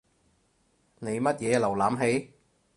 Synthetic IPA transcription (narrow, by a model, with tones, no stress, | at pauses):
ne˨˧jmɐ˥t̚jɛː˨˧lɐ˨˩wlaː˨˥mɦe˨˥j